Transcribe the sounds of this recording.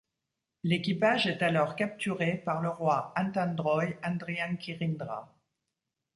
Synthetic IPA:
lekʲipaʒɛt̪alɔʁkap̚t̪yʁepaʁləʁwaɛ̃t̪ɛ̃nd̪ʁɔjɑ̃d̪ʁiãkʲiʁind̪ʁa̰

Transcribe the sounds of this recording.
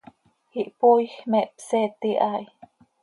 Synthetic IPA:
hiʔpujxmeʔpset̪iʔaj

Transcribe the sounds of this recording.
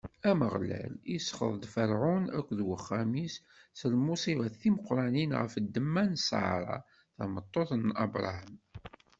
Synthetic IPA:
æməʁlæ̰lisːχə̰ðˤd̪fəɾʕʊnækʷːðwəχːæmis | slmusiʁæθiməqɾˤɑninʁə̰fəd̪ːəmːænsɑ̰ʕɾˤɑ̰ | θəmət̪ˤːoθnːɑ̰bɾˤɑ̰həm

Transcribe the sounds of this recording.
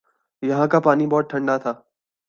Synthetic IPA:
jɐɦãkapaːnibɔːt̪̚ʈʰɐ̃ɳɖat̪ʰaː

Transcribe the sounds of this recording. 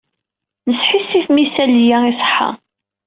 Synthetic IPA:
nəsħisːiθmisæljæisˤə̥ħa̰

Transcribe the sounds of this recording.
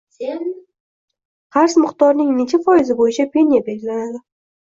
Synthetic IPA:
qʰɑɾsmɪqt̪ɒɾnɪŋne̞t͡ʃʰafɒjɪzɪbojɪt͡ʃʰapʰe̞nijabeɡʲɪlanad̪ɪ

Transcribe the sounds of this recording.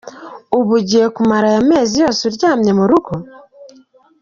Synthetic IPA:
uβuɟijekumaɾajame̞ːzijo̞ːsuɾɟaːmɲe̞muɾuɡo

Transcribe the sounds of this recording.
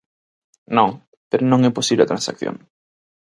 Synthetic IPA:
nõŋ | peɾonõŋɛposiβleɐt̪ɾãnsakθjõ̰ŋ

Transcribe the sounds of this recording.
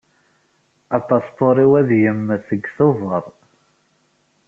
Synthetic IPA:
ɑt̪ˤːɑst̪oɾˤiwæðjəmːθəɡθovəɾˤ

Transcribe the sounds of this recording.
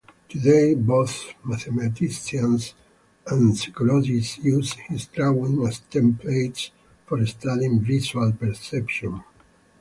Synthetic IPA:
t̪ʰud̪ejboθmaθemat̪isiãns | ãnsikɔlɔd͡ʒisjushist̪ɾawĩŋast̪ɛ̃mpleɪts | fɔɾɛst̪adĩŋvisualpɛɾsɛpʃɔ̃n

